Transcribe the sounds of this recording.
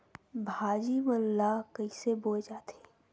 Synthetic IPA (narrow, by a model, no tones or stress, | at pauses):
bʱaːd͡ʒimɐlːakɐiseboːed͡ʒaːt̪e